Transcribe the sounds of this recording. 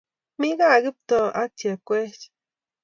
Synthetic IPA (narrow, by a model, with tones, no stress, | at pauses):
mi˦ɡa˦˨ɡɨ˦p̚t̪o˨a˦tja˨kʷe˦t͡ʃ